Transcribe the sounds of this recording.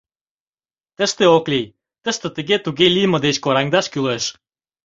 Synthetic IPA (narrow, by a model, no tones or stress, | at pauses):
t̪ə̆ʃt̪eoklij | t̪ə̆ʃt̪ə̆t̪ə̆ɣet̪uɣelijmə̆d̪et͡ɕkoɾɑŋd̪ɑʃkyleʃ